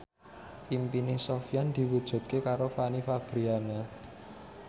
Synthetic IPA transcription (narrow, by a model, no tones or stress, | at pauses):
ʔimpinesofijand̪̥i̤wud̥ʒ̥ṳt̪̚kekaɾofanifab̥ɾiana